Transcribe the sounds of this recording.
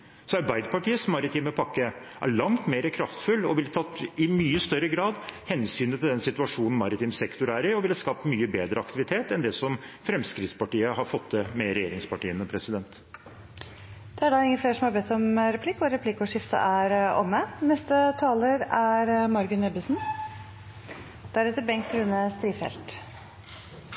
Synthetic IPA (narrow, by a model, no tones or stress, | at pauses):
sɔɑɾbæɪd̪pʰɑʈiːəsmɑɾɪt̪ʰiːməpʰɑkːə | ʔæ̰ɭɑŋt̪meːɾəkʰɾɑft̪fʉlːɔʋɪlt̪ʰɑt̪ːɪmyːəst̪œɾːəɡɾɑːd̪hɛnsyːnət̪ʰɪld̪ɛnsɪt̪ʉɑʂuːnn̩mɑɾɪt̪iːmsɛkt̪ʊɾæːɾɪɔʋɪlɑskɑːpt̪myːəbeːd̪ɾəɑkt̪ɪʋɪt̪ʰeːt̪ɛnd̪ɛsɔmfɾɛmskɾɪt̪spɑʈiːəhɑɾfɔt̪ʰːəmɛɾɛjeːɾɪŋspɑʈiːənəpʰɾɛsɪd̪ɛnt̪ | d̪̥ɛæɖɑːɪŋːənfleːʂɔmhɑɾbɛt̪ːɔmɾɛpʰlɪkːɔɾɛpʰlɪkːɔʂɪft̪ə̰ʔæɾɔ̰mːənɛst̪ət̪ʰɑːləɾæɾmɑɾɡʉnɛbəsn̩ | d̪̥æɾɛt̪ːəbɛŋkt̪ɾʉnəst̪ɾiːfɛ̰lt̪